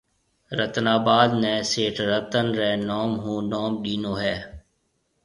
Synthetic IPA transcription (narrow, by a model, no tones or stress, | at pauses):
ɾət̪naːbaːd̪nɛ̃ːseːʈʰɾət̪ənɾɛːnɔːmɦũːnɔːmɗiːnoːɦɛː